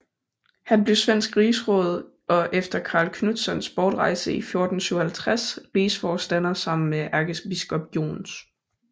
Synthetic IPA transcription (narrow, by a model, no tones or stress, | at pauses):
hænb̥le̝ʊsʋen̰sɡ̥ʁiːsʁɔ̽ːð̞ˠ | ʔɒ̽ʔefd̥ɐkʰɑ̈ːlkʰnud̥sɒnsb̥ɒːd̥ʁɑ̈ɪsəifjo̝ɐd̥n̩syʊhælt͡sʰʁasʁiːsfɒːsd̥æn̰ɐsɑ̈m̰n̩meʔæɐɡ̥əsbisɡ̥ɒ̽b̥jo̝̰ːns